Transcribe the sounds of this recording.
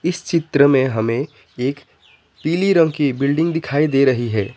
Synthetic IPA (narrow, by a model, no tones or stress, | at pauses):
ɪst͡ʃɪt̪ɾəmẽɦɐmẽ | eːk | piːliɾə̃ŋɡkibɪlɖɪ̃ŋɡd̪ɪkʰaːid̪eːɾɐɦiɦɛː